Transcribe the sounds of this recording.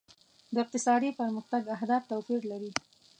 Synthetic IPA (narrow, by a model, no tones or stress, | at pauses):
d̪əɪq̚t̪ɪsɑd̪ipəɾməxt̪aɡaɦd̪ɑft̪awpiɾlaɾi